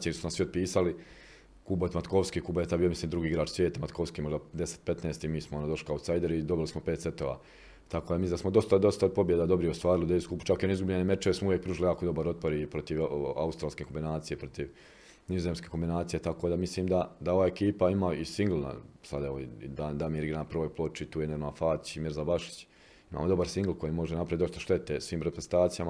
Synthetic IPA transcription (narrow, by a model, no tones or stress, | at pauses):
ieɾsunasʋiod̪̚piːsali | kuːbot̪mat̪koʋskikuːboet̪abijomisliːmd̪ɾuɡiːɡɾaːt͡ʃsʋjeːt̪amat̪koʋskiːmo̞ʒd̪ad̪e̞se̥t̪̚pe̞t̪neːst̪imiːsmoonad̪o̞ʃli̥kausajd̪eɾid̪o̞bilismopeːt̪set̪o̞ːʋa̰ː | t̪akod̪amiid̪asmod̪o̞st̪ad̪o̞st̪aod̪̚po̞bje̞d̪ad̪o̞bɾijeost̪ʋaːɾilid̪eiskupu̥t͡ʃakjenizɡublʎenemet͡ʃeesmouvje̞kpɾuːʒilijaːkod̪o̞baɾo̞t̪̚po̞ɾipɾo̞t̪iʋa̰ust̪ɾaːlskeko̞mbinaːt̪sije̞pɾo̞t̪iʋ | nizoze̞mskeko̞mbinaːt̪sijet̪akod̪amisliːmd̪ad̪ao̞ʋaːekiːpaimaisiŋɡl̩ˠna̰sad̪eʋod̪and̪amiɾiɡɾapɾrʋojplˠo̞t͡ʃit̪uːjeneɾmafaːt͡ʃimiɾzabaʃi̥t͡ɕ | ima̰ːmo̞d̪o̞baɾsiŋɡlˠko̞jimo̞ʒenapɾaʋitd̪o̞st̪aʃt̪e̞t̪esʋiːmɾepɾezent̪aːt̪sijama